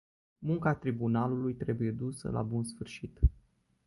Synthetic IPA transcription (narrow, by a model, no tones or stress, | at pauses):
muŋkat̪ɾibunalulujt̪ɾe̞buje̞d̪usə̰la̰bunsfɨrʃit̪